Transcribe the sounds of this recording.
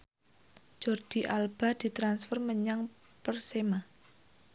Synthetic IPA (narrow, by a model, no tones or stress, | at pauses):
d͡ʒ̥ɔrd̪̥i̤ʔalb̥a̤d̪̥i̤t̪ɾansfərməɲaŋ | pərsema